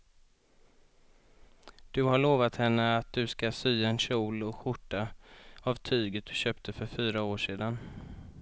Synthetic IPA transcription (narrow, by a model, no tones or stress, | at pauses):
d̪̥ɵɦaɭoːvat̪hɛnːəat̪̚d̪̥ɵskasyːaɛnɕuːlɔɧʊʈːaavt̪ʰyːɡət̪̚d̪̥ɵɕøːp̚t̪ʰəfœɾfyːɾaoːʂeːd̪an